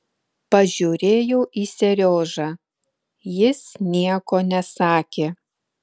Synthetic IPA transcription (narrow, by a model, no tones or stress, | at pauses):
pɐʒʲuːɾʲeːjoːʔiːsʲɛɾʲoːʒɑː | jɪsnʲiɛkoːnʲɛsɑːkʲeː